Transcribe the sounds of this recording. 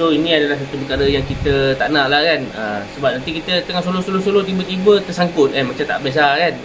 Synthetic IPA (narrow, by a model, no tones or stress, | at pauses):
soinĩadalahsat̪upəkaɾəjaŋkit̪ət̪aʔnãʔlahkanə̰səbap̚nant̪ikit̪ət̪əŋahsolohsolosolot̪ibət̪ibət̪ərsaŋkʊt̪̚anmat͡ʃamt̪a̰ʔbias̬akan